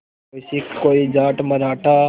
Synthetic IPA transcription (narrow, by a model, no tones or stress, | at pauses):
osikkːoːiːd͡ʒaːʈməɾaːʈʰaː